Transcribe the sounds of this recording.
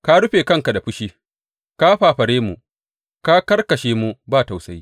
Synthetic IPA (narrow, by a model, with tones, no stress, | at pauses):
ka˦ɽʊ˦ɸeː˨kɐ˦ŋka˨da˨ɸʊ˦ʃiː˦ | ka˦ɸaː˨ɸɐ˨ɾeː˦mu˨ʔ | ka˦kɐ˦rkɐ˨ʃeː˦mu˦baː˦˨ta˨wsɐ˦j